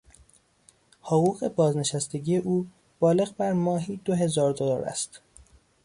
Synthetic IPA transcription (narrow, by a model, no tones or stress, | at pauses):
hoɣuːɣe̞bɒːzne̞ʃæst̪eɟiːje̞ʔuː | b̥ɒːle̞ɣbæɾmɒːɦiːd̪oɦe̞zɒːɾd̪olɒːɾæ̰st̪